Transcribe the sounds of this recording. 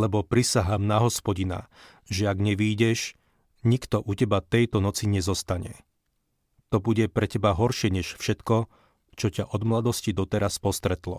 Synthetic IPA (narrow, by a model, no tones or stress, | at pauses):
lɛbɔpɾisaɦaːmnaɦɔspɔɟina̰ | ʒɛaɡɲɛʋiːɟɛʃ | ɲikt̪ɔʔucɛbat̪ɛjt̪ɔnɔt͡siɲɛzɔst̪aɲɛ̰ | t̪ɔbuɟɛpɾɛcɛbaɦɔɾʃɪɛɲɛʃfʃɛt̪kɔ | t͡ʃɔcaʔɔd̪mlad̪ɔscid̪ɔt̪ɛɾaspɔst̪ɾɛt̪lɔ̰